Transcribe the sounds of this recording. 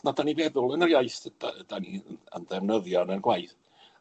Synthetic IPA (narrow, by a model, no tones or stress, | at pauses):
nadanivɛðʊlˠənərjajθd̥a̰d̥aniəə̰nðɛvnəðjɔnənɡwajθ